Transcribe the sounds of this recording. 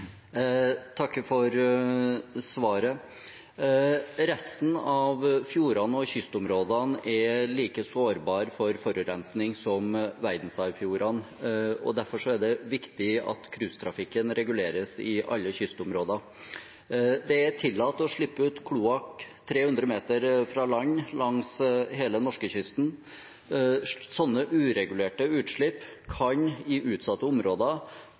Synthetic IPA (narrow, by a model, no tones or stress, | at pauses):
t̪ʰɑkːfɔɾ | sʋɑːɾə | ɾɛst̪n̩ɑʋfjuːɾɑnɔçʏst̪ʊmɾoːd̪ɑnʔɛliːkəsoːɾbɑːɾfɔɾfɔɾʉɾɛnsnɪŋsɔmʋæɾd̪n̩sɑɪfjuːɾɑn | ɔ̰d̪æɾfɔʂɔæɖɛʋɪkt̪ɪɑ̰t̪kʰɾʉːst̪ʰɾɑfɪkːənɾɛɡʉleːɾəsɪʔɑ̰lːəçʏst̪ʊmɾoːd̪ɑ | d̪ɛæt̪ʰɪlːɑːt̪ːɔʂɭɪpːəʉːt̪kʰluːɑkt̪ʰːɾeːhʉnd̪ɾəmeːt̪əɾfɾɑlɑɲːlɑŋsɦeːlənɔʂkəçʏst̪n | sɔnːəʔʉːɾɛɡʉleːʈəʉːt̪ʂɭɪpːkʰɑɲɪʔʉːt̪sɑt̪ːəʊmɾoːd̪ɑ